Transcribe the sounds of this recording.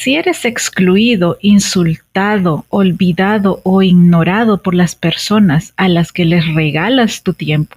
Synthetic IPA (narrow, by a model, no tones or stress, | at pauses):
sie̞ɾe̞se̞kskluiðo̞ʔinsult̪aðo̞olβiðaðo̞ʔoiɣno̞ɾaðo̞po̞ɾlaspe̞ɾso̞nasalaske̞le̞sre̞ɣalast̪ut̪je̞mpo